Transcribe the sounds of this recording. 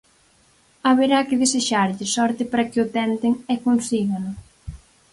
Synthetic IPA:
aβeɾakɪðeseʃaɾʎɪsɔɾt̪ɪpaɾakɪʊt̪ɛnt̪ɪŋɛkonsiɣanʊ

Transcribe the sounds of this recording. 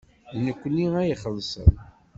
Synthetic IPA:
nəkʷːnːiæjiχəlsə̰n

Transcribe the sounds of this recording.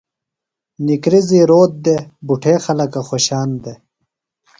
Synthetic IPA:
nikɾiziɾoːt̪̚d̪ebuʈʰeːxɐlɐkɐxoːɕaːnd̪e

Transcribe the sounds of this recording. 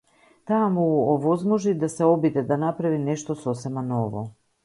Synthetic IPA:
t̪amuɔvɔzmɔʒid̪asɛɔbid̪ɛd̪anapɾavinɛʃt̪ɔsɔsɛmanɔvɔ̰

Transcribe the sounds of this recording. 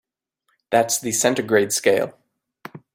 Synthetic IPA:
ðætsðɨsɛ̃ntə˞ɡɹeɪd̥skeɪlˠ

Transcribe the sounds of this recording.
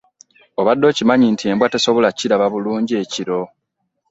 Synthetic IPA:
oβadːo̞cimaɲintʰie̞mbwate̞so̞βo̞laciɾaβaβuluːɲɟie̞ciɾo̞

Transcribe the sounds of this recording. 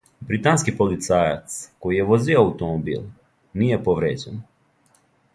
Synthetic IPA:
bɾit̪anskipolit̪saːja̰t̪skojijeʋozioawut̪omobḭːl | nijepoʋɾeːd͡ʑen

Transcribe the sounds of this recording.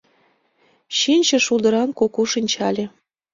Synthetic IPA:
ɕinʲt͡ɕĕʃulˠd̪ɤ̆ɾɑnkokuʃinʲt͡ɕɑlʲĕ

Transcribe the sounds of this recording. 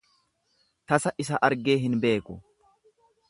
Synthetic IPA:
t̪ɐsɐʔɪsɐʔɐɾɡe̞ːɦɪnbe̞ːkʼʊ

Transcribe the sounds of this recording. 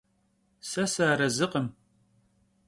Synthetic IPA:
sɐsaːɾɐzɨqəm

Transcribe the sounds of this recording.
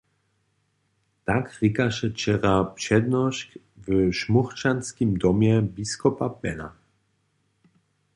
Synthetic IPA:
t̪akʁikaʃɛt͡ʃɛɾapʂɛd̪nɔɕk | vʃmuχt͡ʃanskimd̪ɔmjɛbiskɔpapɛna̰

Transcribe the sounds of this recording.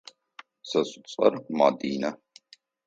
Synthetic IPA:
sɐsʼu̥t͡sʼɐ̰ɾmaːd̪iːnɐ

